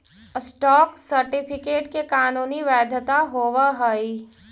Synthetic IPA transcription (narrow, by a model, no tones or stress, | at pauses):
sʈɔːksəɾʈɪpʰɪkeːʈkekaːnuːniʋɛːd̪ʱət̪aɦoːʋaɦəi